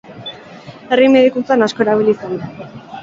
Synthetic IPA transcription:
erimeðikut͡sanaskoeɾaβilisand̪a

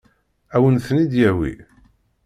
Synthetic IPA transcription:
æwənθnid̪jæwḭ

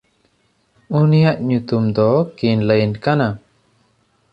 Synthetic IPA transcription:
unijaʔɲut̪umd̪ɔkinləjnkana

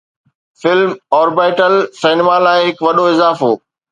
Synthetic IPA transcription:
fɪlmɔːɾbaːɪʈəlseːnemalaːɪɦɪkʋɐɗoɪzaːfoː

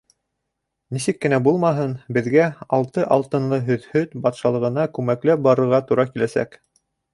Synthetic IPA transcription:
nisɘkːɘ̆næbulˠmɑɦɤnbɘ̆ðɡæɑlˠt̪ɤʔɑlˠt̪ɤ̆nlˠɤɦɵ̆ðhɵðbɑt̪ʃɑlˠɤ̆ʁɤ̆nɑkʉmæklæbɑɾɤ̆ɾʁɑt̪uɾɑkilæsæ̰k

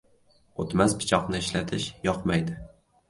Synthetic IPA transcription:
ot̪maspɪ̥t͡ʃʰɒqnɪɪʃlat̪ʰɪʃjɒqmajd̪ɪ

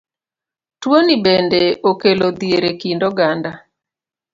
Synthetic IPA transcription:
twonibendeokelod̪ieɾekindoɡanda

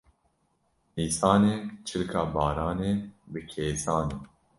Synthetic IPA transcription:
iːsɑːneːt͡ʃʰɨlkʰɑːbɑːɾaːneːbɨkʰeːsɑːneː

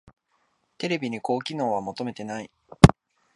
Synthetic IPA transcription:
t̪e̞ɾe̞bʲiɲ̟iko̞ːkʲino̞ːβ̞amo̞t̪o̞me̞t̪e̞nai

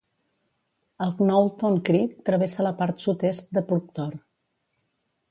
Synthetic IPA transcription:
əlˠɡnɔwt̪oŋkɾit̪ːɾəβesələpaɾt̪sut̪est̪̚d̪əpuɾk̚t̪ɔr

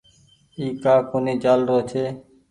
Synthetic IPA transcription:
iːkaːkoniːd͡ʒaːlɾoːt͡ʃʰeː

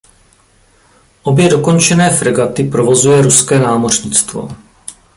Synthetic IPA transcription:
ʔo̞bjɛdo̞ko̞nt͡ʃɛnɛːfɾɛɡat̪ɪpɾovo̞zujɛɾuskɛːnaːmo̞rɲɪt͡st̪vo̞̰

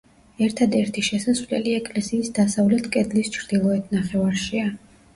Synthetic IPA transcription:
ɛɾt̪ʰad̪ɛɾt̪ʰiʃɛsasvlɛ̰liɛkʼlɛsiːsd̪asavlɛt̪ʰkʼɛd̪list͡ʃʰɾd̪̥ilˠɔɛt̪ʰnaχɛvaɾʃia

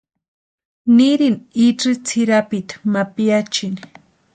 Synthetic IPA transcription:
nɪɾɪniʈ͡ʂit͡sʰɪɾapɪt̪ḁmapjat͡ʃɪn

